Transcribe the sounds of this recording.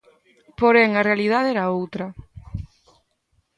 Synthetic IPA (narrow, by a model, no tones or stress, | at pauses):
poɾɛŋɐrealið̞aðɛɾaowt̪ɾɐ